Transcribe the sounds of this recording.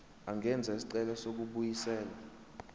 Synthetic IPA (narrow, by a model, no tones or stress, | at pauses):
aŋɛnd͡zʱaisi̥ǀɛlasok̬uɓujisɛːla